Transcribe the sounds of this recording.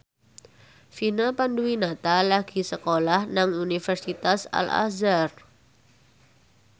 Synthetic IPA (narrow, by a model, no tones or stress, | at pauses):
finapanduinat̪alaɡ̥i̤səkolahnaŋunifərsit̪asa̰la̰zar